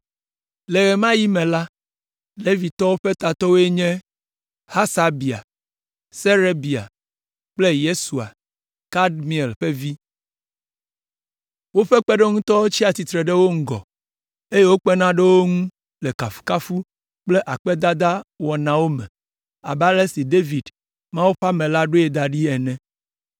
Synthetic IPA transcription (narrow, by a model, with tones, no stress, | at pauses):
le˨ɣe˨mã˦ji˦mẽ˨la˦ | le˦vi˨t̪ɔ˦wo˦ɸe˦t̪a˨t̪ɔ˦wo˦e˦ɲɛ̃˦ | ha˦sa˦bi˨a̰˨ | se˦ɾe˦bi˨a̰˨ | k͡ple˦je˦su˨a̰˨ | ka˦dmĩ˨e˨lɸe˦vi˦ | wo˦ɸɛ˦k͡pe˦ɖe˦ŋũ˦t̪ɔ˦wo˦t͡ɕi˦a˨t̪i˨t̪ɾe˨ɖe˦wo˦ŋ̩˦ɡɔ̰˨ | e˦je˦wo˦k͡pe˦nã˦ɖe˦wo˦ŋũ˦ | le˨ka˨fu̥˨ka˦fu˦ | k͡ple˦ʔa˨k͡pɛ˦d̪a˦d̪a˦wɔ˨nã˨wo˦mɛ̰̃˨ | a̰˨ba˦le˦si˨d̪e˦vi˨d | mã˦wo˦ɸa˦mɛ̃˨la˦ɖo˦e˨d̪a˨ɖi˦ɛ˨nɛ̃˦